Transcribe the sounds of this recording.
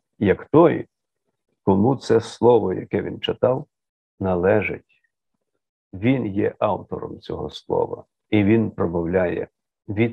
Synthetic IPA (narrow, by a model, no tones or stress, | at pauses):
jɐkt̪ɔj | kɔmut̪sɛslˠɔʋɔjɐ̰kɛʋʲint͡ʃɪt̪ɑw | nɐlˠɛʒɪ̰tʲ | ʋʲinjɛʔɑwt̪ɔɾɔmt͡sʲɔɦɔslˠɔ̰ʋɐ̰ | iʋʲinpɾɔbɐwlʲajɛ̰ | ʋʲi